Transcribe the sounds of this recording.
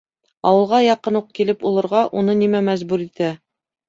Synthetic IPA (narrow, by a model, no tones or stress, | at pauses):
ɑwɤ̆lˠʁɑjɑqɤnuq̚kilɘpulˠɤ̆ɾʁɑʔunɤnimæmæzbʉɾit̪æ